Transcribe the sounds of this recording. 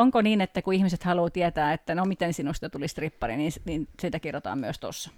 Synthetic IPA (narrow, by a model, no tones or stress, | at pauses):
oŋkoniːnet̪ːækuihmiset̪hɑluːt̪iæt̪æːet̪ːænomit̪ensinust̪ɑt̪ulist̪ripːɑrḭniːnsniːnsiːt̪ækirot̪ɑ̰ːmmyøst̪o̰sːɑ̥